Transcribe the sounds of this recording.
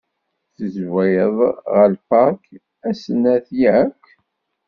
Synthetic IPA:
θəzwæjəðˤʁəlpɑɾk | æsənæθjkː

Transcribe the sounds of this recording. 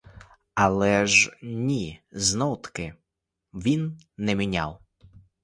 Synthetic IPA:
ɐlˠɛʒnʲiznɔwt̪kɪ | ʋʲinː | ɛmʲinʲa̰w

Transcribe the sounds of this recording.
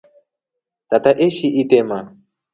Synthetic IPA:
tataʔeʃiʔit̪ɛma

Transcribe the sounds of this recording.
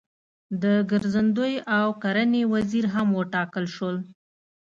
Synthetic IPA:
d̪əɡəɾzand̪əjawkaɾanewaziɾɦamwəʈɑkəlʃəl

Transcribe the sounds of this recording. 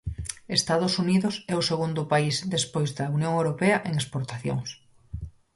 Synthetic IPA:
est̪aðʊsuniðʊsɛʊseɣund̪ʊpaizd̪espojzðɐunjoŋewɾopeɐʔeŋespoɾt̪aθjo̰ŋs

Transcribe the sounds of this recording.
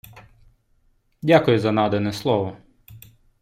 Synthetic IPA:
dʲakʊjʊzɐnɑd̪ɛnɛslˠɔʋɔ

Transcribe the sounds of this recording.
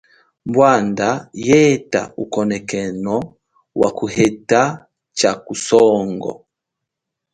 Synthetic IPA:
mbwandajɛta̰ukɔnɛkɛnɔ | wakuhɛta | t͡ʃakusɔŋɡɔ̰

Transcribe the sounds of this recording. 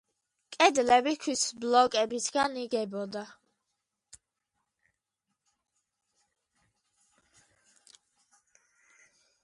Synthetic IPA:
kʼɛd̪lɛbikʰwisblɔkʼɛbisʰɡaniɡɛbɔd̪a

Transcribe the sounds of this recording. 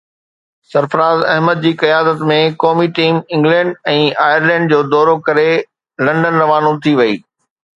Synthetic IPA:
sɐɾfəɾaːzɐɦməd̪̚d͡ʑiːkɐjaːd̪ət̪mẽkɔːmiʈiːmɪ̃ŋɡlɛ̃ːɳɖɛ̃ːaːjəɾlɛ̃ːɳɖd͡ʑoːd̪ɔːɾokɐɾe | lɐ̃ɳɖənɾɐʋaːnõt̪ʰiʋɐḭː

